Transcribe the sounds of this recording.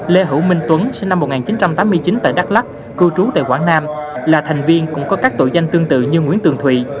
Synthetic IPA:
le˧ɦɨ˧˩wmï˧ŋ̟t̪wə˨˦nsi˧na˧mːo˨˩t̚ŋaː˨˩nt͡ɕi˨˦nt͡ɕa˧mt̪aː˨˦mːɨ˧əjt͡ɕi˨˦nt̪a̰ː˧˨jɗa˦˥k̚la˦˥k̚ | kɨ˧t͡ɕu˨˦t̪a̰ː˧˨jkwaː˧˩ŋnaː˧mlaː˨˩t̪ʰa˨˩jŋ̟vi˧ənkʊ̰˧˥ŋ͡mkɔ˨˦kaː˦˥k̚t̪o̰˧˨jza˧jŋ̟t̪ɨ˧əŋt̪ɨ̰˧˨ɲɨ˧ŋwi˧˥ənt̪ɨ˨˩əŋt̪ʰwḭ˧˨

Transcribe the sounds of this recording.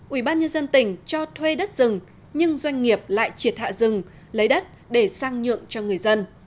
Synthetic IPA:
ʔwi˧˩ɓaː˧nɲə˧nzə˧nt̪ï˧˩ŋ̟t͡ɕɔ˧t̪ʰwe˧ɗə˦˥t̚z̥ɨ˨˩ŋ | ɲɨ˧ŋzwa˧jŋ̟ŋi˨˩əp̚la̰ː˧˨jt͡ɕi˨˩ət̚ha̰ː˧˨zɨ˨˩ŋ | lə˨˦jɗə˦˥t̚ | ɗe˧˩saː˧ŋɲɨ̰˧˨əŋt͡ɕɔ˧ŋɨ˨˩əjzə˧n

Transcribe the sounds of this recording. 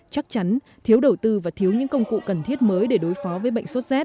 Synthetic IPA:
t͡ɕa˦˥k̚t͡ɕa˨˦n | t̪ʰi˨˦wɗə˨˩wt̪ɨ˧vaː˨˩t̪ʰi˨˦əwɲɨ̰˧˥ŋkə˧wŋ͡mkṵ˧˨kə˨˩nt̪ʰi˦˥ət̚məː˨˦jɗe˧˩ɗo˨˦jfɔ˨˦vəː˨˦jɓə̰˧˨jŋ̟so˦˥t̚zɛː˦˥t̚

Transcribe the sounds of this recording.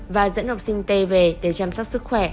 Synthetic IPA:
vaː˨˩zə̰˧˥nha˨˩wk͡p̚sï˧ŋ̟t̪e˧ve˨˩ɗe˧˩t͡ɕaː˧msɔ˦˥k͡p̚sɨ˦˥k̚xwɛ˧˩

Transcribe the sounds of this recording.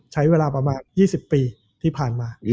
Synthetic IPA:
t͡ɕʰa˦˥jweː˧laː˧pɾa˧maː˧njiː˥˩si˨˩pːiː˧ | t̪ʰiː˥˩pʰaː˨˩nmaː˧

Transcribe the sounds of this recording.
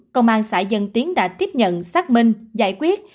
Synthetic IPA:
kə˧wŋ͡mʔaː˧nsa̰ː˧˩jzə˧nt̪i˨˦ənɗa̰ː˧˥t̪i˦˥əp̚ɲə̰˧˨nsaː˦˥k̚mï˧ŋ̟za̰ː˧˩jkwi˦˥ət̚

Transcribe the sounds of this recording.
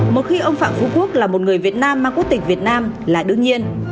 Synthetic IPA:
mo˨˩t̚xi˧ʔə˧wŋ͡mfa̰ː˧˨mfu˧˦ku˦˥ək̚laː˨˩mo˨˩t̚ŋɨ˨˩əjvi˨˩ət̚naː˧mːaː˧˩ŋku˦˥ək̚t̪ï˩ŋ̟vət̚naː˧m | laː˨˩ɗɨ˧əŋɲi˧ən

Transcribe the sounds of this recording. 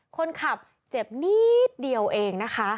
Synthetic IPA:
kʰo˧nkʰa˨˩p̚ | t͡ɕe˨˩p̚niː˦˥˩t̪̚di˧əwʔeː˧ŋna˦˥kʰa˦˥ʔ

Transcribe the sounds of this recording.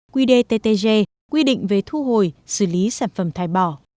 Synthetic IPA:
kwi˧ɗe˧t̪e˧t̪e˧ze˧ | kwi˧ɗḭ˧˨ŋ̟ve˨˩t̪ʰu˧ɦo˨˩jsɨ˧˩li˨˦saː˧˩nfə˧˩mt̪ʰaː˧˩jɓɔ˧˩

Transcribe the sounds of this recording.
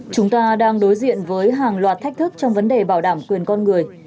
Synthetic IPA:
t͡ɕʊ˨˦ŋ͡mt̪aː˧ɗaː˧ŋɗo˨˦jzḭ˧˨ənvəː˨˦jɦaː˨˩ŋlwaː˨˩t̚t̪ʰɛ˦˥k̟̚t̪ʰɨ˦˥k̚t͡ɕɔ˧wŋ͡mvə˨˦nɗe˨˩ɓaː˧˩wɗaː˧˩mkwi˨˩ənkɔ˧nŋɨ˨˩əj

